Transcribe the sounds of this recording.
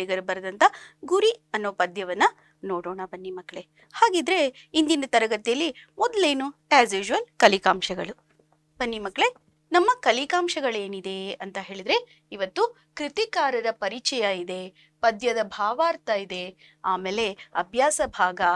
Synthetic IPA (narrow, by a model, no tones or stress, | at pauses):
iɡɐɾubɐɾd̪ɐnt̪ʰɐɡuɾiɐnːoːpɐd̪jɐʋɐnːɐ | noːɽoːɳɐbɐnːimɐkːɭe̞ | haːɡiːd̪ɾe̞ind̪inɐt̪ɐɾɐɡɐt̪ijɐlːimɔd̪leːnuaːzjuːd͡ʒuʋɐlkɐlikaːmʃɐɡɐɭu | b̥ɐnːimɐkːɭe̞ | nɐmːɐkɐlikaːmʃɐɡɐɭe̞ːnid̪e̞ɐnt̪ɐɦe̞ːɭid̪ɾe̞ | iʋɐt̪ːu | kɾit̪ikaːɾɐd̪ɐpɐɾit͡ʃɐjɐid̪e̞ | pɐd̪jɐd̪ɐbʱaːʋaːɾt̪ɐjid̪e̞ | aːmeːle̞ɐbʱjaːsɐbʱaːɡɐ